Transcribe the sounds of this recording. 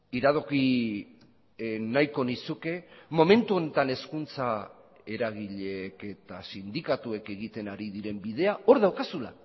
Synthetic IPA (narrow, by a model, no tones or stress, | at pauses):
iɾað̞o̞ki | najko̞nisuke̞mo̞me̞nt̪uo̞ne̞t̪ane̞skunt͡sa | e̞ɾaɣ̞iʎe̞ke̞t̪asind̪ikat̪ue̞ke̞ɣit̪e̞naɾiðiɾe̞mbið̞e̞ao̞ɾðawkasula̰